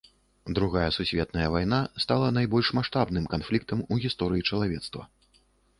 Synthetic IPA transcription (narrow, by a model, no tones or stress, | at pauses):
d̪ɾuɣajɛsusʲvʲɛt̪nɐjɐvajnast̪alˠɐnajbɔlʲʂmaʂt̪abnɨmkanflʲik̚t̪ɐmuɣʲist̪ɔɾɨjit͡ʂɐlˠavʲɛt̪st̪vɐ̰